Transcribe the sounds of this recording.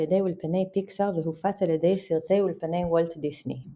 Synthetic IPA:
ed̪ejulpenɛjpiksaʁveɦufat͡saled̪ɛjsiʁt̪ɛjulpenɛjwɔlt̪d̪isnḭ

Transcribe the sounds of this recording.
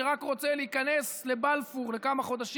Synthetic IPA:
eʁakʁo̞t͡seleikane̞sle̞balfuʁle̞kamaχo̞d̪aʃ

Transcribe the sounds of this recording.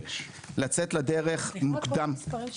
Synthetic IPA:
lat͡setlad̪eʁeχmukd̪am

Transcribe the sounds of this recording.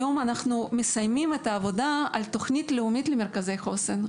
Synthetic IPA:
jo̞manaχnumesajmimet̪ɐːvo̞d̪aalt̪o̞χnʲit̪leumit̪lemerkaze̞jχo̞sen

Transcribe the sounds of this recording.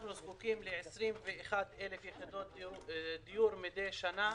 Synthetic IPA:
χnuzkukimleʕesʁimveːχad̪elefjeχid̪ot̪d̪ijuɾmid̪ejʃana

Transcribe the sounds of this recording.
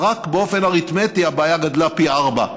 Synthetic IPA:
ʁakbeo̞fenaʁit̪met̪iabaːjaɡad̪lapiaʁba̰

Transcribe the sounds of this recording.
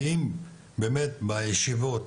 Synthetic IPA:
im | beːmet̪bajeʃivot̪

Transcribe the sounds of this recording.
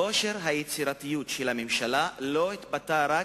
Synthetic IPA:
o̞ʃeʁɦajet͡siʁat̪ijutʃelhamemʃalalo̞it̪bataʁa

